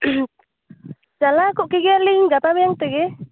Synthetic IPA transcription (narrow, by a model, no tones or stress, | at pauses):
d͡ʒalakuʔkiɡɛaliŋɡat̪amɛjaŋt̪ɛɡɛ